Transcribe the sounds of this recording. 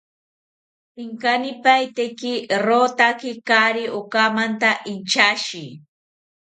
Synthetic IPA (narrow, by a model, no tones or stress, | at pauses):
ɪŋkanɪpajt̪ekɪɾot̪akɪkaɾɪʔokamant̪aʔɪnt͡ʃaʃi